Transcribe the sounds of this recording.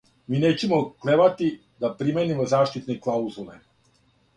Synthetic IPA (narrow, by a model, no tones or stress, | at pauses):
miːneːt͡ɕemokleʋat̪i | d̪apɾimenimozaːʃt̪it̪neklˠauzule